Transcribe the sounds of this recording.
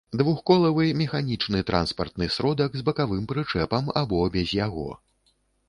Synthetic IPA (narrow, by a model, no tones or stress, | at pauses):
d̪vuxkɔlˠɐvɨmʲɛxanʲit͡ʂnɨt̪ɾʔa̰nspɐrt̪̚nɨsɾɔd̪ɐɡzbɐkavɨmpɾɨt͡ʂɛpɐma̰bɔbʲɛzʲjaɣɔ̰